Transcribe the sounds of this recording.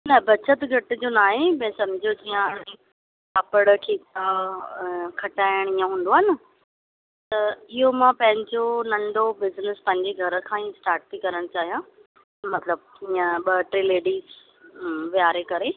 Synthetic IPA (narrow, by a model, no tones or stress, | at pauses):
nɐbɐt͡ɕʰət̪ɡʱɐʈɪd͡ʑonaːɦemɐ̃sɐmɪd͡ʑʱod͡ʑiːãɐɽẽ | apəɽkʰeːt̪a | kʰɐʈaːɪəɽ̃iːãɦũːnd̪oaːnɪ | t̪ɐɪɦomãpɐ̃ɦɪ̃ɲd͡ʑonɐ̃ɳɖobɪznɪspɐ̃ɦɪ̃ɲd͡ʑeɡʱɐɾə̆kʰãːĩsʈaːɾʈ̚t̪ʰikɐɾəɽ̃t͡ɕaːɦijã | mɐt̪ləb̚iːãɓɐʈɾileːɖiːz | ʋijaːɾekɐɾe